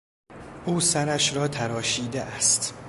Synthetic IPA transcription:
ʔuːsæɾæʃɾɒːt̪ʰæɾɒːʃiːd̪eʔæst̪

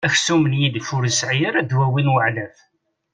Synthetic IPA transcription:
æçsumənjid̪fʊɾəsʕiɾæd̪wæwinwəʕlæf

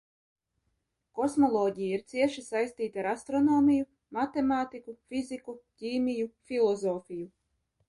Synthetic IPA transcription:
kɔsmɔlˠɔːɟʲijaiɾt̪siɛʃisajst̪iːt̪ʲaɾast̪ɾɔnoːmʲiju | mat̪emaːt̪ikufʲizikucʲiːmʲijufʲilˠɔzɔːfʲiju

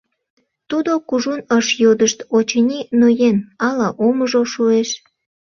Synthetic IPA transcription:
t̪ud̪okuʒunəʃjod̪əʃt̪ot͡ɕənʲinojenɑlɑʔoməʒoʃueʃ

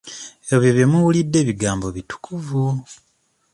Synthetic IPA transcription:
eβjeβjemuwulidːe̞ːβiɡaːmbo̞βitu̥kʰuvu

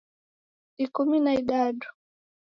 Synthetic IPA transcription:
ikuminaiɗaɗu̥

